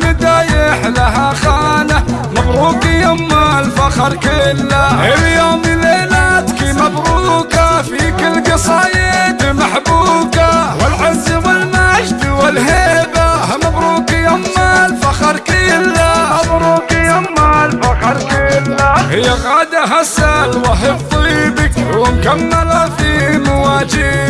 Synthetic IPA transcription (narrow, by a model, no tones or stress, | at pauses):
nɪd̪aːjɪħlaɦaxaːna | mabɾuːkijamːalfaxɑɾˤkɪlːaʔɪljoːmileːlat̪kimabɾuːkafikɪlːɡɑsˤɑːjat̪ɪmaħbuːkawɪlʕɪzːwɪlmaʃd̪wɪlɦeːbahamɑbɾˤuːkijamːalfɑxɑɾˤkɪlːaɑdˤɾuːkijamːalfɑxɑɾˤkilːahɪjːaɣad̪aɦasalwaħɪbt̪ˤibɪkwɪmkamːalafimʊwaːd͡ʒɪ